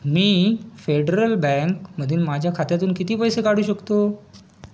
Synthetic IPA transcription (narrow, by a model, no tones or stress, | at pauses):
miːfeɖɾəlbɛ̃ŋkməd̪ʱiːnmad͡ʑʱjakʰat̪jat̪uːnkit̪iːpəjsekaɽ̤uːɕəkt̪o